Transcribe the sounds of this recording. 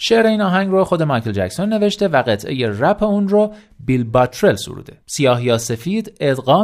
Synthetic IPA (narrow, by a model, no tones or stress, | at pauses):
ʃeʔɾe̞iːnɒːɦæŋɟroxo̞d̪e̞mɑːjkʰeld͡ʒæcsonːe̞ve̞ʃt̪e̞væɣet̪ʰʔe̞̰jeræpʰeunrɔ | bilbɒːt̪ʰɾe̞lsṵɾṵd̪e̞̰sijɒːɦjɒːse̞fiːd̪e̞d̪ɢɒː